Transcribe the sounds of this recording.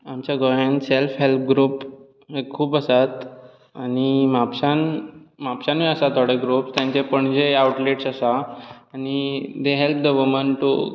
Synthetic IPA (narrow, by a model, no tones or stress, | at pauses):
amt͡ɕaɡɔjenselfɦelp̚ɡɾup | ekʰːuːpəsat̪ | animapɕanmapɕanʋeəsat̪ʰaɽeɡɾupst̪jãɲt͡ɕepəɳd͡ʑeawʈleʈsasaːnid̪eɦelp̚d̪əʋəmənʈu